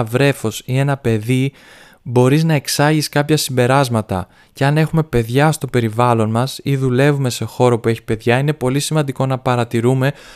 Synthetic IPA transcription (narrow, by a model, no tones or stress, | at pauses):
vɾe̞fo̞sie̞nɐpe̞ði | bo̞ɾiznɐe̞ksɐʝiskɐpçɐsimbe̞ɾɐzmɐt̪ɐ̰ | ce̞ɐne̞xume̞pe̞ðʝɐst̪o̞pe̞ɾivɐlo̞nmɐsiðule̞vume̞se̞xo̞ɾo̞pue̞çi̥pe̞ðʝɐine̞po̞lisimɐnd̪iko̞nɐpɐɾɐt̪iɾume̞